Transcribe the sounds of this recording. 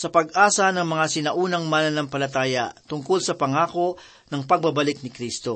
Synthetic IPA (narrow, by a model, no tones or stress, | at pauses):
sɐpɐɡʔaːsɐnɐŋmɐŋasɪnɐʔuːnɐŋmanɐnɐŋpɐlɐt̪aːjɐ̰t̪ʊŋkolsɐpɐŋaːko̞ | nɐŋpɐɡ̚bɐbɐlɪk̚nɪkɾist̪o